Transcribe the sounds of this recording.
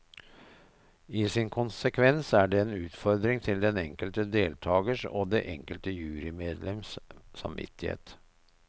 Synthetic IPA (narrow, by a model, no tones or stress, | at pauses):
iːsɪnkʰʊnsəkʰʋɛnsæːɖɛeːnʉːt̪fɔɾd̪ɾɪŋt̪ʰɪld̪ɛnɛŋkəlt̪əd̪eːlt̪ʰɑːɡəʂo̰ːd̪eːʔɛŋkəlt̪əjʉːɾɪmeːd̪lɛmssɑ̰mʋɪ̰t̪ːɪhḛːt̪